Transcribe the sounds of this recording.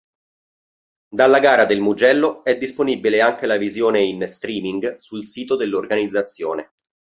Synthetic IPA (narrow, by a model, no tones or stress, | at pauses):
d̪alːaɡaːɾad̪elmud͡ʒɛlːoɛd̪ːisponibileaŋk̟elavizjoːneinst̪ɾiːmiŋɡsulsiːt̪od̪elːorɡanid̪zːat̪sːjoːne